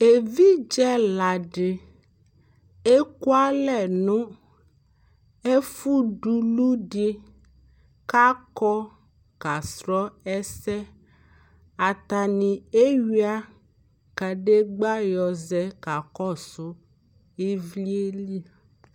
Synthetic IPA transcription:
e˨vi˦d͡ʒɛ˦la˨ɖe˨ | e˦ku˦a˦lɛ˨nõ˦ | e˦fu˦ɖu˨˦lu˦ɖe˦ | ka˦kɔ˦ | ka˨sɾɔ˦ɛ˦sɛ˦ | a˨t̪a˨nĩ˨e˦ɥi˦a˦ | ka˨ɖe˦ɡ͡ba˦jɔ˨zɛ˨ka˨kɔ˦˨so˦ | e˦vi˦e˦li˦

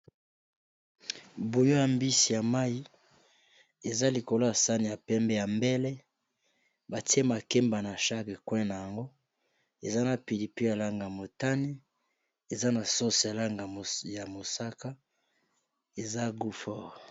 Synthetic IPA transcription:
bo˨jo˦ja˨mbi˦si˨ja˨ma˦ji˦ | e˨za˦li˨ko˨lo˦ja˨sa˦ni˨ja˨pɛ˦mbɛ˦ja˨mbɛ˦lɛ˦ | ba˨ti˦e˦ma˨kɛ˦mba˨na˨ʃa˦ke˨kwɛ̃˦na˨ja˨ŋɡo˦ | e˨za˦na˨pi˨li˨pi˦ja˨la˦ŋɡa˨ja˨mo˨ta˦ni˦ | e˨za˦na˨so˦si˨ja˨la˦ŋɡa˨ja˨mo˨sa˦ka˦ | e˨za˦ɡu˦fɔ˦˨

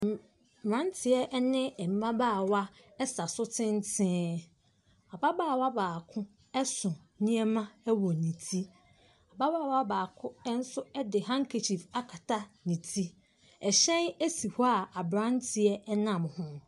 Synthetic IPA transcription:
mbã˦n˦tʰɪ˨ɛ˦ʔnɪ̃˦ɛ˨m̩˦mã˦baː˦˨wa˦ | ɛ˦sa˨sʊ˦tʰɪ̃˦n˦tʰɪ̃˦ | a˨ba˦baː˦˨wa˦baː˨kʰʊ̃˦ | ɛ˦sʊ̃˨ | nĩ˦ɛ˦mã˦ɛ˦wɔ˨nĩ˨tʰi˦ | a˨ba˦baː˦˨wa˦baː˨kʰʊ̃˦ɛ˦n̩˦sʊ˦ɛ˦dɪ˨ɦã˦ŋ̩˦kʰe˨t͡ɕʰi˨fa˦kʰa˨tʰa˦nĩ˨tʰi˦ | ɛ˨ɕɛ̃˦ne˦si˨hɔ˦a˨a˨bɾã˦ntʰɪ˨ɛ˦ɛ˦nã˨mhʊ̃˦

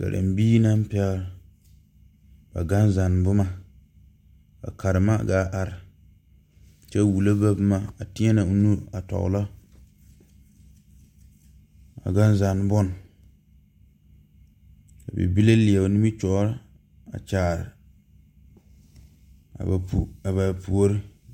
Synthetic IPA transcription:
ka̰˨ɾʔa̰˨m˨biː˦na˦m˦pɛ˦ɾ | ba̰˨ɡa˦nza˨n˨bʊ˦ma˦ | ba̰˨ka˨ɾɨ˨ma˦ɡaː˦ʔa˨ɾɪ˨ | t͡ʃɛ˦wu˨la˦ba˦bɨ˦ma˨a˨tɪ˦ɛ˦na˨˦nu˦a˨tɔ̰˨ʊ̰˨la˦ | a̰˨ɡa˦n˦za˨n˦bɔ˦n˨ | ka̰˨bɛ̰˨bi˦la˦lɪ˨a˨ni˦mi˦t͡ʃɔ˨˦ɾ | a̰˨t͡ʃaː˨ɾɪ̰˨ | a̰˨ba˨pu˨a˨βa˨pu˨o˦ɾɪ˦

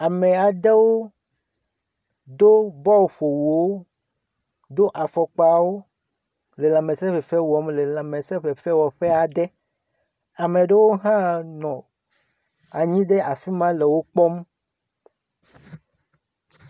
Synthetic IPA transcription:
a˨mẽ˨a˨ɖe˦wo˦ | d̪o˦bɔ˦wo˨ɸo˨wu˨wo˦ | d̪o˦ʔa˨fɔ˨k͡pa˨wo˦ | le˨lã˨mẽ˨sɛ˦ɸe˨fɛ˦wɔ˨˦mle˨la˨mẽ˨sɛ˦ɸe˨fe˦wɔ˨ɸe˦a˨d̪ɛ˦ | a˨me˨ɖe˦wo˦ɦã˦nɔ̃˨ | a˨ɲĩ˦ɖe˦a˨fi˦mã˦le˨wo˦k͡pɔ˦m

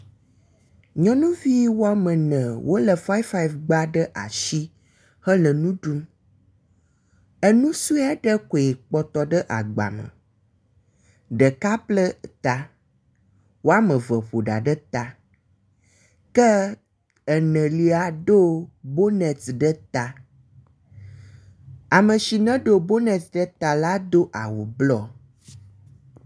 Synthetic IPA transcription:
ɲɔ̃˦nũ˦vi˦wo˦a˦mə̃˨nə̃˨wo˦lə˨fa˦jfa˦˨vɡ͡ba˦ɖə˦ʔa̰˨ʃi˦ | hə˦lə˨nũ˦ɖu˦m | ə˦nũ˦su˦a˦ɖə˦ko˨e˨k͡pɔ˦t̪ɔ˨ɖə˦ʔa̰˨ɡ͡ba̰˨mə̰̃˨ | ɖə˨ka˦plə˦t̪a˨ | wo˦a˦mə̃˨və˨βo˨ɖa˨ɖə˦t̪a˨ | kə˦ | ə˨nə̃˨li˦a˨ɖo˦bo˦nɛ̃˨ɖə˦t̪a˨ | a˨mə̃˨ʃi˨nə̃˦ɖo˦bo˦nɛ̃˨ɖə˦t̪a˨la˦d̪o˦ʔa˨wu˨blɔ˦

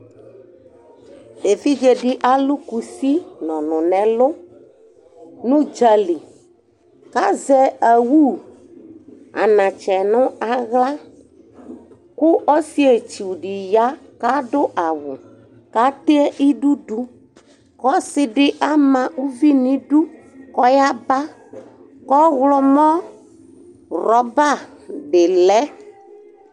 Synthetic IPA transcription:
e˨fi˦d͡ʒe˨ɖɪ˦ʔa˦lu˦ku˨si˦nɔ̃˨nʊ̃˨nɛ̃˨lo˦ | nũ˦d͡ʒɛ˨li˨ | ka˦zɛ˦ɛ˨wu˦ | a̰˨nã˨t͡ʃɛ˨nʊ̃˦a˨ɣla˦ | ku˦ɔ˦si˦e˨t͡ʃi˨wu˨ɖi˨ja˦ | ka˦ɖʊ˦ʔa˨wʊ˨ | ka˦t̪e˦ɛ˦ʔi˦ɖu˦ɖu˦ | kɔ˦sɪ˦ɖɪ˦ʔa˦mã˨u˦vi˦nĩ˦ɖu˦ | kɔ˦ja˦ba˦ | kɔ˦ɣlɔ˦mɔ̃˦ | ɾɔ˨ba˦˨be˨lɛ˦

